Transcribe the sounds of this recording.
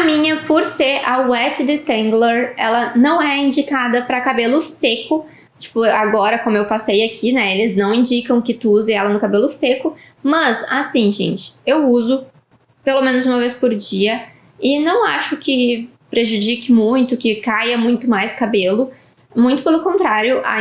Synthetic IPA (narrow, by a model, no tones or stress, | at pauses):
ɐmĩɲɐpoɾseʔɐwɛt͡ʃɪd̪ɪt̪ẽŋɡleɾɛ̰lɐnɐ̃w̃ɛĩd͡ʒikad̪ɐpɾɐkabelʊsekʊ | t͡ʃi̥pʊaɡɔɾɐkõmʊewpasejakʰinɛelɪznɐ̃w̃ĩd͡ʒikɐ̃w̃kɪt̪uuzɐ̃ɛlɐnʊkabelʊsekʊ | mɐzasĩʒḛ̃nt͡ʃɪ̥ewuzʊ | pelomẽnʊzũmɐvespoɾd͡ʒiɐ | ɪnɐ̃w̃a̰ʃʊkɪ | pɾeʒud͡ʒikɪmũj̃t̪ʊkɪkajɐmũj̃t̪ʊmajskabelʊ | mũj̃t̪ʊ̥pelʊkõnt̪ɾaɾjʊʔa̰